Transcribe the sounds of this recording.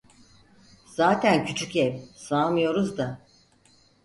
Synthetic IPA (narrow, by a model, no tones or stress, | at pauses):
z̥aːt̪ʰæncʰyt͡ʃʰycɛmsaːmɯjo̞ɾuzd̪a